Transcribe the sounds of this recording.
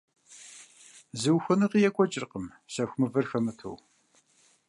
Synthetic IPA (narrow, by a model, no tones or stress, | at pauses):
zɨwxʷʊnɨqijɛkʷʼɔt͡ʃʼɪrqəm | sɐxʷmɨvɐrxɐmɨtʰo̰w